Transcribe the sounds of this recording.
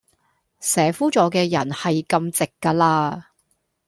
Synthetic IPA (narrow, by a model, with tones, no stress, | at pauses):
sɛː˨˥fuː˥t͡sɔː˨˥kɛː˧jɐ˨˩nhɐ˨jkɐ˧mt͡sɪ˨kːaː˧laː˧